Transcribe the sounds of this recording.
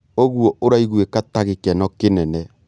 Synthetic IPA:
oɣwɔʔoɾaiɣwekataɣekɛnɔkenɛnɛ

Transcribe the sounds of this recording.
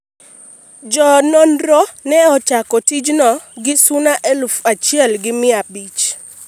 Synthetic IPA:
d͡ʒɔnɔnɾɔnɛɔt͡ʃakɔtid͡ʒnɔɡɪsʊnaʔelfat͡ʃjɛlɡɪmɪabit͡ʃ

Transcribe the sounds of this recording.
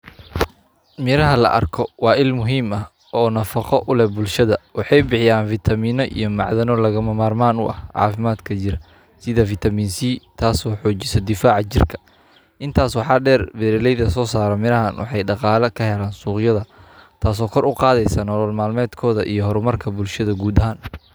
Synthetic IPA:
mɪɾɐɦɐlɐ̰ʔɐ̰rkʰɔwɑːɪlmʊɦiːmɐ | ʔɔːnɐfɑqɔʔʊlɛbʊlʃɐðɐwɑħɑjbɪħɪjaːnfɪt̪ʰɐmiːnɔʔḭjɞmɑ̰ʕðɐnɔlɐɣɐmɐmaːrmaːnʊʔɐ̰hʕɑ̰ːfɪmaːd̪kʰɐt͡ʃɪɾɐ | sɪðɐfɪt̪ʰɐmiːnsiːt̪ʰaːsɔːħɔːt͡ʃɪsɔd̪ɪfaːʕɑt͡ʃɪ̰rkʰɐ̥ | ʔɪnt̪ʰaːswɑħɑːɖɛːrbɛɾɛlɛjðɐsɔːsaːɾɛmɪɾɐɦɐnwɑ̰ħɑjɖɑqɑːlɐkʰɐhɛlaːnsuːqjɐðɐt̪ʰaːs̬ɔːkʰɔɾʊqɑːðɛjsanɔlɔlmaːlmɛːd̪kʰɔːðɐ̰ʔijɔɦɔɾʊmɐrkʰɐbʊlʃɐðɐɡuːd̪ɐɦaːn

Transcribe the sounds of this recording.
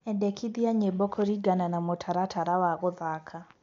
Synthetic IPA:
ɛndɛkʰiðiaɲebɔkʰɔɾiɡananamotʰaɾatʰaɾawaɣoðakʰa

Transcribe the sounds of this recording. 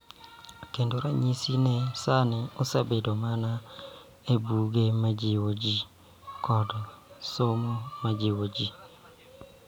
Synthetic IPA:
kendoɾaɲisinesanɪɔsabedomana | ebuɡemad͡ʒɪwod͡ʒi | kɔdsomomad͡ʒɪwod͡ʒi

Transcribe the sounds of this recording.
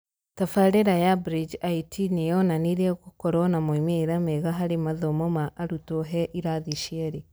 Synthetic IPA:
tafaɾeɾajabɾid͡ʒaitinejɔnaniɾɛɣokɔɾɔnamoimeɾamɛɣaɦaɾemaðɔmɔmaʔːɾutoɦɛʔiɾaðiʃiɛɾe

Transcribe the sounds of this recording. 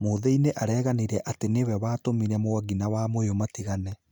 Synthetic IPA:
moːðɛineʔaɾɛːɣaneɾɛʔatenewɛβaːtomiɾɛmoaɣinawamojomatiɣanɛ

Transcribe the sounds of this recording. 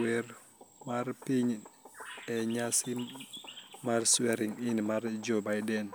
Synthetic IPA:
wɛɾ | maɾpiɲ | ɛɲasi | maɾsuɛɾiŋinmaɾd͡ʒɔbajdɛn

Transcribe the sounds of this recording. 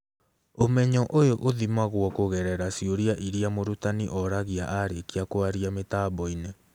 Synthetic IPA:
omɛɲɔʔojoʔoðimaɣwɔkoɣɛɾɛɾasioɾiaʔiɾiamoɾutaniʔɔɾaɣiaʔaɾekeakoaɾiametaːβɔine

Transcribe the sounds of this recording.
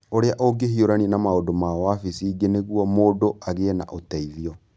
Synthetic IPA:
oɾeaʔoɡehioɾaninamaodomawafisiːɡeneɣwɔmoːdoaɣena̰ʔotɛiðiɔ

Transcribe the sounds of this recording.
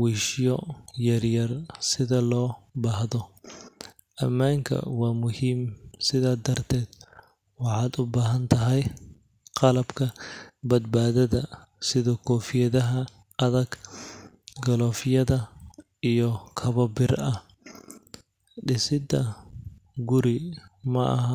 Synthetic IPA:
wiːʃjɔjɐrjɐrsɪðɐlɔːbahðɔ | ʔɐmːaːŋkʰɐ̰wɑːmʊhiːmsɪðaːd̪ɐrt̪ʰɛːd̪ | wɑħɑːd̪ʊbaːɦɐnt̪ʰɐɦɛj | qɑlɐbkʰɐbɐd̪̚baːðɐðɐ | sɪðɔkʰɔːfɪjɐðɐɦɐ | ɐðɐɡ | ɡɔlɔːfɪjɐðɐ | ijɔkʰɐβɐbɪrɐh | ɖɪsɪd̪ɐ | ɡʊɾɪmɐʔɐ̰ɦɐ

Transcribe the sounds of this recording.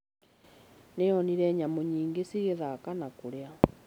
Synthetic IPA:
neɔniɾɛɲamoɲiːŋɡesiɣeðakanakoɾea

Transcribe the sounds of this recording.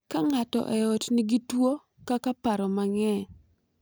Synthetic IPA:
kaŋatɔ̰ʔɛɔtniɡitwo | kakapaɾɔmaŋɛ

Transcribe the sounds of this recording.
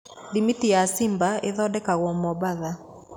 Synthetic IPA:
ðimitijasɪmbaɪðɔdɛkaɣwɔmɔbaða

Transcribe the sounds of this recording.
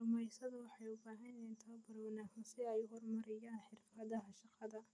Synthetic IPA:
ʊmɛjsɐðɐwɑħɑjʊbaːɦɐnɛɪnt̪ʰɐbɐɾwnaːɐnsɪɛjʊɦɔrmɐɾɛjaːnħɪrfɐðɐɦɐʃɑqɑðɐ

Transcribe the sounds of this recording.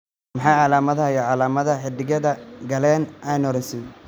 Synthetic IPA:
mɐħɑːʕɑlaːmɐðɐhɐjɐʕɑlaːmɐðɐħɪd̪ɪɣɐðɐɡɐlɛːnʔɛjnɔɾɛsɪn

